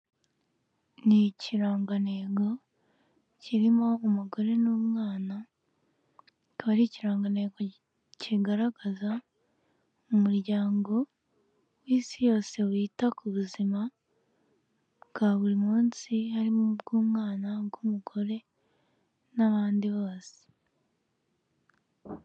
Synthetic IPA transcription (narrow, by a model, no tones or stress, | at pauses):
niciɾaːŋɡane̞ːɡo̞ | ciɾimo̞ːmuɡo̞ɾe̞noːmŋaːna | βaɾiciɾaːŋɡane̞ːɡo̞ | ciɡaɾaɡaza | mumuɾɟaːŋɡo̞ | wiːsijo̞ːse̞wiːtakuβuzima | ɡ̥aβuɾimuːnsihaɾimbɡuːmŋaːnaɡumuɡo̞ɾe̞ | naβaːndiβo̞ːse̥